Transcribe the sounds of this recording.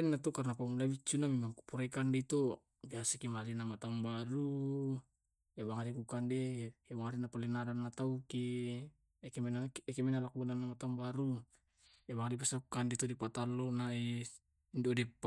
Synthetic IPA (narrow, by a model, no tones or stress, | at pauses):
ɛnːat̪ukarnapamulabit͡ʃːunamimaŋku̥puɾekandeit̪o | biasakimalinamat̪aŋbaɾu | ebaŋadikukandeebaŋadinapalɛnadanːat̪auki | kemenaɛkemɛnalakuunanːamat̪aŋbaɾu | ebaŋadipasakukandet̪ɔdipat̪alɔnae | ndiodɛp